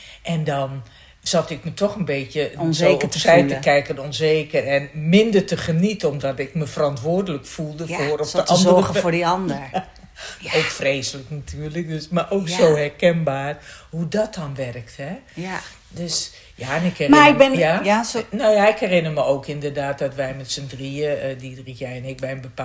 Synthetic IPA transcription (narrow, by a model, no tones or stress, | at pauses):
ʔɛndɔn | z̥ɔtɪk̚mətʰɔxənbeːtjəzoəpfɛjtəkɛjkənɔnzeːkərɛnmɪndərtəχənitəɔmdɔtɪk̚məfərɔntʋʊərdələkfulˠdəoːrɔfdəɔndəəəfoːdiɔndə | oːkfreːsələknatʰyːrlək̚døsmarʔoːksoːhɛrkɛnbaːrhudɔt̚dɔnʋɛrkthɛ | døs | jaɛnɪkɛmaɪɪjanoːjaɪkhɛrɪnəməoːkɪndərdaːt̚dɔtʋɛjmɛtsəndriədidriɛjɛnɪk̚bɛjnbəpa